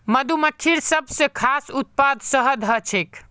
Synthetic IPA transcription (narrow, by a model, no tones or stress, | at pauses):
məd̪uməkʰːiɾsəbʱsẽkʰasut̪̚pad̪səɦəd̪ʱət͡ʃʰek